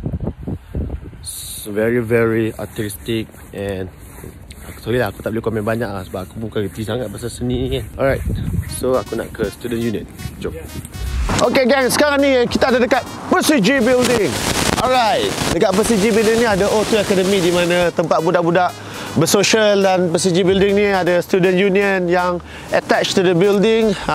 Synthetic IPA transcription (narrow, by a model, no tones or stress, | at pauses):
vɛɹivɛɹia̰t̪ɛɹistɪk̚ | ʔɛn | atɔlilaaku̥t̪aʔ̚bəlikɔmɛ̃nbaɲaʔlasəbapakubukãnɡət̪isaŋat̪̚basasəniɛnɔlɹajt̚soakunã̰ʔkəst̪udə̃njunɪt̪̚d͡ʒo | ʔokeɡɛŋsə̥kaɾaŋnikit̪aadadəkat̪̚pəsid͡ʒibildɪŋɔlɹajt̚dəkat̪̚pəsid͡ʒibildɪŋniadaʔot̪uɛkɛdəmĩdimãnãt̪əmpat̪̚budaʔbudaʔ | bəsoʃəldanpəsid͡ʒibildɪŋniadast̪udənjuniə̃njaŋ | ət̪ɛt͡ʃtudəbildɪŋ